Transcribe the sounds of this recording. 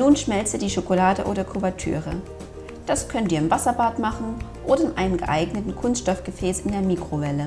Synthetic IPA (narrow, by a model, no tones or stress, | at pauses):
nuːnʃmɛlt͡sədiːʃokolaːdə̰ʔoːɾɐkʰuvɐtʰy̰ːʁə | d̥askʰœntiːɐɪmvasɐbaːtmaχn̩ʔoːɾɐɪnʔaɪnəmɡəʔa̰ɪɡnətn̩kʰʊnstʃtɔfɡ̥əfɛːsɪndeːɐmiːkʁ̥ovɛlə